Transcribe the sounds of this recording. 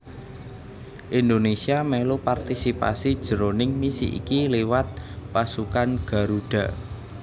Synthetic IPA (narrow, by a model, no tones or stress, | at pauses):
ʔind̪onesiamɛlopart̪isipa̰sid̥ʒ̥ə̤ɾonɪŋmisḭʔḭkilewat̪̚pasukanɡ̥a̤ɾuɖ̥a̤